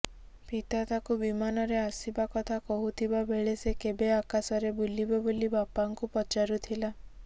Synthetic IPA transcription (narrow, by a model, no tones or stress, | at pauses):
pit̪at̪akubimanɔɾeasibakɔt̪ʰakɔɦut̪ʰibabʱeɭesekebeakasɔɾebulibɔbolibapaŋkupɔt͡ʃaɾut̪ʰila